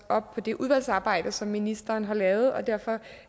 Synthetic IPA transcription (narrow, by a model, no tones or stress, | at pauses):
ɒ̽b̥̚pʰɒ̽d̥e̝ʔuð̞ˠʋæl̰sɑ̈ːb̥ɑ̈ɪ̰d̥əsɒ̽mːinisd̥ɐːnɦɑ̈lɛːʊð̞̩ˠɒ̽d̥æɐ̰fɒ̽